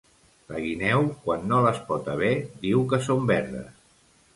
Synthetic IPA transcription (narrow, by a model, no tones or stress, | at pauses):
ləɣinɛwkwanːoləspɔt̪əβɛd̪iwkəsombɛɾðə̰s